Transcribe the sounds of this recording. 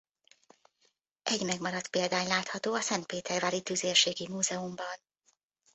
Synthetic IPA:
ʔɛɟmɛɡmɒɾɒt̪peːld̪aːɲlaːt̪hɒt̪oːɒsɛnt̪̚peːt̪ɛrvaːɾit̪yzeːrʃeːɡimuːzɛumbɒn

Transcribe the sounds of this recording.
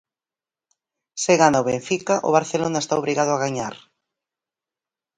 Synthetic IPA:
seɣanoβẽɱfikaʔʊβaɾθelonaest̪aoβɾiɣað̞ʊaɣaɲaɾ

